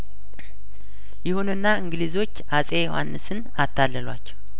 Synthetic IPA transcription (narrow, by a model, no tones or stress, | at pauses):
jɪhunɨnːaɨŋɡɨlizo̞t͡ʃːasʼejoha̰nːɨsɨn | at̪ʰːalːəlwa̰t͡ʃːɛw